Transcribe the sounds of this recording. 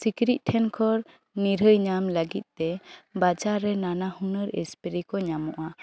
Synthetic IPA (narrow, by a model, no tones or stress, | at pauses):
sikɾit̪̚ʈʰɛnkʰɔɾ | niɾəjɲamləɡit̪̚ˀt̪ɛbad͡ʒaɾːɛnanahunəɾḛspiɾikɔɲamɔʔa